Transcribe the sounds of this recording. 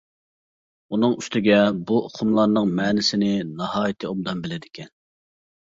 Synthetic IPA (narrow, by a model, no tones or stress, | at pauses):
unɨŋyst̪ʰɪɡʲɛbuʔoqʰʊmlˠɑɾnɨŋmɛːnɪsɪnɪnɑhɑːjit̪ʰɨomd̪ɑmbɪlɪd̪ɪkʲʰɛn